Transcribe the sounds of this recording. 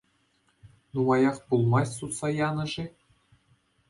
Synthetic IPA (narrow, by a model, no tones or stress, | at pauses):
numɑjɑχpulˠmɑsʲsut̪sɑjɑnɤ̆ʐe